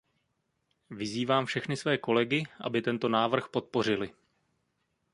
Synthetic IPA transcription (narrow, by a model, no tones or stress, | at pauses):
vɪziːvaːmfʃɛxnɪsvɛːko̞lɛɡɪʔa̰bɪt̪ɛnt̪o̞naːvr̩xpo̞t̪̚po̞r̝ɪlɪ